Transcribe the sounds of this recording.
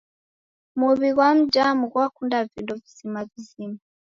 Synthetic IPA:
muβiɣwam̩d͡ʒamuɣwakundavindɔvizimavizima

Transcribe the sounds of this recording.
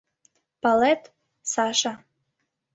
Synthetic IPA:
palet̪ | saʃa

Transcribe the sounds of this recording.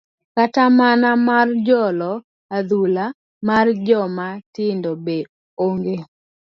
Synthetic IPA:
katamanamard͡ʒɔlɔ | ad̪ula | mard͡ʒɔmatɪndɔbe | oŋɡe

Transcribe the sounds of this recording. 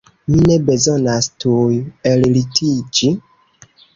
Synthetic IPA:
minɛbezɔnastʰujɛllitʰid͡ʒi

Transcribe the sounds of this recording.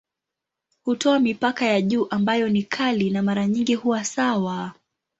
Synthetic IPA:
hutʰɔamipakajaʄuːʔambajɔnikʰalinamaɾaɲiŋɡihuwasawa

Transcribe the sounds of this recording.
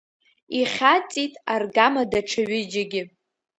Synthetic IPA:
iχʲat͡sʼitʼarɡamadaʈ͡ʂʰaɥɪd͡ʒaɡʲɪ

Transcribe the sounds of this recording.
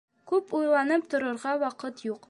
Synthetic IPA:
kʉpujlˠɑnɤpt̪ŏɾŏɾʁɑwɒqɤt̪juq

